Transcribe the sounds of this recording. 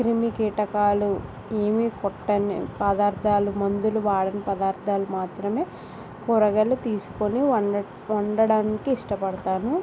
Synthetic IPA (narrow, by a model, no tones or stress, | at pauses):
kɾimikiːʈɐkaːlu | eːmikɔʈːɐnipɐd̪aːɾd̪ʱaːlumɐnd̪uluʋaːɽɐnipɐd̪aːɾd̪ʰʱaːlumaːt̪ɾɐme̞ː | kɔɾɐɡɐlːut̪iːsu̥koni | ɔɳɖɐɽaːnikiːʂʈɐpɐɽɐt̪aːnu